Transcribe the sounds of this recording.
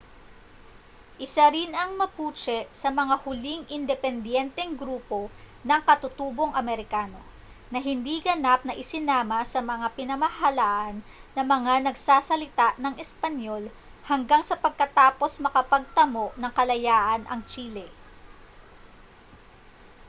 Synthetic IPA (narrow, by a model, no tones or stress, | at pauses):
ʔɪsaɾinɐŋmɐpuːt͡ʃɛʔsɐmɐŋahʊliŋʔɪnd̪ɛpɛnd̪jɛnt̪ɛŋɡɾuːpo̞nɐŋkɐt̪ʊt̪uːbo̞ŋʔɐmɛɾɪkaːno̞ | nɐɦɪnd̪iɡɐnap̚nɐʔɪsɪnaːmɐsɐmɐŋapɪnɐmahɐlaːʔɐnːɐmɐŋanɐɡsaːsɐlɪt̪aʔnɐŋʔɛspɐnjo̞l | hɐŋɡaŋsɐpɐɡ̚kɐt̪aːpo̞smɐkɐpɐɡ̚t̪ɐmo̞ʔnɐŋkɐlɐjaːʔɐnʔɐ̰ŋt͡ʃiːlɛ